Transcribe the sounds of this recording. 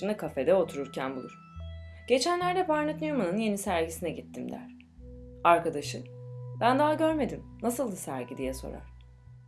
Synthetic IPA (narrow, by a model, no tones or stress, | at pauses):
ɯnɯkʰafe̞d̪ɛo̞t̪ʰuɾuɾcʰænbulˠṵɾ | ɟ̥e̞t͡ʃʰænlʲæɾd̪ɛbaɾnat̪nʲijomanɯnje̞nisæɾɟisinɛɟit̪ʰːimd̪æ̰ɾ̥ | aɾkad̪aʃɯbænd̪aɦaɟø̞ɾme̞d̪imnasɯlˠd̪asæ̰ɾɟid̪ijɛso̞̰ɾa̰ɾ̥